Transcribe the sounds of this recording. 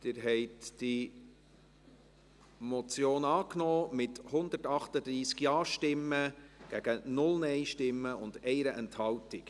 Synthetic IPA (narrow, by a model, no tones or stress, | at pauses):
d̥ɪɾɦɛɪtd̥i | mɔt͡sjoːnɑːknɔːmɪthʊnd̪ətɑχtəd̪ɾiːskjɑːʃtɪmːəɡ̥æɡ̥ənʊlnɛɪʃtɪmːəʊndɛɪɾəʔɛnthɑltɪk